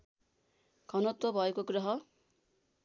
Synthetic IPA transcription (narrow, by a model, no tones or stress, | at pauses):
ɡʱʌnʌt̪wʌbʱʌekoɡrʌɦʌ